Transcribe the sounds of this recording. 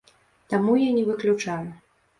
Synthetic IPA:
t̪amujanʲɛvɨklʲut͡ʂaju

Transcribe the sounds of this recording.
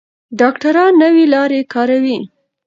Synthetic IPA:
ɖɑkʈaɾɑnːəwelɑɾekɑɾawi

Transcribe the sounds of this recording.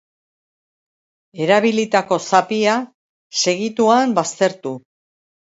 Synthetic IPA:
e̞ɾaβilit̪ako̞sapia | se̞ɣit̪uambast̪e̞ɾt̪u

